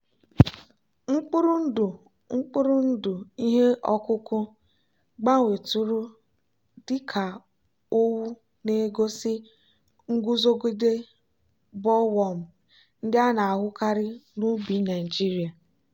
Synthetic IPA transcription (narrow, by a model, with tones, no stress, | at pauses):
ŋ͡m̩˦k͡pʊ˦ɾʊ˦n̩˦dʊ˨ | ŋ͡m̩˦k͡pʊ˦ɾʊ˦n̩˦dʊ˨i˦ɦe˦ʔɔ˦kʊ˦kʊ˦ | ɡ͡ba˦ŋʷe˨tʊ˦ɾʊ˦ | dɪ˦kʰa˨ | o˦wu˦ | ne˦ɡo˦sɪ˦ | ŋ̩˦ɡʷu˦zo˦ɡʷi˦de˦ | bɔ˦wɔ˨m̩˨ | n̩˦dɪ˦a˦na˨a˨ɦʊ˦ka˦ɾɪ˦nu˦bi˨˦na˨i˨d͡ʒi˦ɾi˨a˨